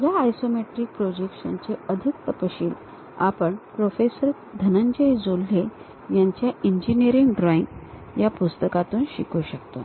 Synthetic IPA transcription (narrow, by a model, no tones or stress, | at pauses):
ɡaːjsomeʈɾik̚pɾod͡ʑekɕə̰nt͡ɕeəd̪ʱik̚t̪əpəɕiːl | a̰pəɳpɾofesəɾ | d̪ʱənəɲd͡ʑəjd͡zolːe | jaɲt͡ɕjaʔiɲd͡ʑiniəɾiŋɡɖɾɔiŋɡ | japust̪əkat̪uːnɕḭkuɕəkt̪o